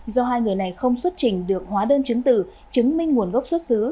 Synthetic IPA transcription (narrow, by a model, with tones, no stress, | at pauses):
zɔ˧ɦaː˧jŋɨ˨˩əjna˨˩jxə˧wŋ͡mswə˦˥t̚t͡ɕï˧˩ŋ̟ɗɨ˨˩ək̚hwaː˨˦ɗəː˧nt͡ɕɨ˨˦ŋt̪ɨ̰˧˨ | t͡ɕɨ˨˦ŋmï˧ŋ̟ːŋu˨˩ənɣə˦˥wk͡p̚swə˦˥t̚sɨ˨˦